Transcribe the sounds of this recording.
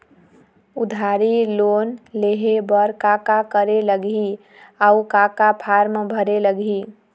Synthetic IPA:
ud̪ʱaɾilonleɦebəɾkakakəɾeləɡi | aukakapʰaɾmebʱəɾeləɡʱi

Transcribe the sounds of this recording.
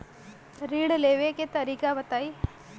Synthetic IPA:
ɾiːɽleːʋeket̪ɐɾikaːʋɐt̪aj

